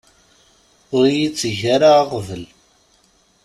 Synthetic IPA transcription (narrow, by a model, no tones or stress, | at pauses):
ʊɾjit͡sːəʝaɾaʁvəl